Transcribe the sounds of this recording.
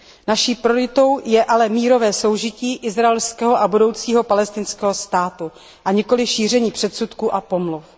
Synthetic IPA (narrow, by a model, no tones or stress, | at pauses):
naʃiːpɾoɪt̪o̞wjɛʔalɛmiːɾo̞vɛːso̞wʒɪciːʔɪzɾaɛlskɛːɦoʔabudo̞wt͡siːɦo̞palɛst̪ɪnskɛːɦo̞st̪aːt̪u | ʔaɲɪko̞lɪʃiːr̝ɛɲiːpr̝̥ɛt̪sut̪kuːʔapo̞mluf